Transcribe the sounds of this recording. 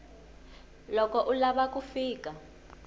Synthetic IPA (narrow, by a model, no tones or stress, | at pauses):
lɔkʼɔʔulaɓak̬ʼufiːkʼa